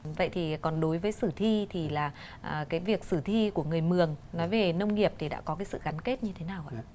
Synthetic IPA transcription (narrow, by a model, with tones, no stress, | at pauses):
və̰˧˨jt̪ʰi˨˩kɔ˨˩nɗo˨˦jvəː˨˦jsɨ˧˩t̪ʰi˧t̪ʰi˨˩laː˨˩ | ʔkaː˨˦jvi˨˩ək̚sɨ˧˩t̪ʰi˧ku˧˩əŋɨ˨˩əjmɨ˨˩əŋnɔ˨˦jve˨˩nə˧wŋ͡mŋi˨˩əp̚t̪ʰi˨˩ɗa̰ː˧˥kɔ˨˦kaː˨˦jsɨ̰˧˨ɣa˨˦nke˦˥t̚ɲɨ˧t̪ʰe˨˦naː˨˩wʔa̰ː˧